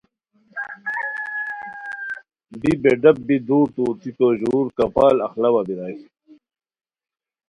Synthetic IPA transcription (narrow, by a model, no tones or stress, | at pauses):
bibeɖɐb̚bid̪uːt̪uːt̪ikoʑuːɾkɐpaːlɐxlɐwabiɾaːs